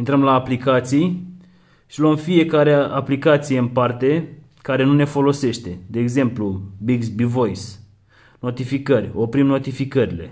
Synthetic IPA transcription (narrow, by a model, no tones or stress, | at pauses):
int̪ɾəmlaːplikat̪sij | ʃiloomfije̞kaɾeaplikat̪sijeɨnpart̪e̞ | kaɾe̞nune̞fo̞lo̞se̞ʃt̪e̞d̪e̞ːɡze̞mplubiɡsbivo̞js | no̞t̪ifikərʲo̞pɾimno̞t̪ifikəɾile̞̰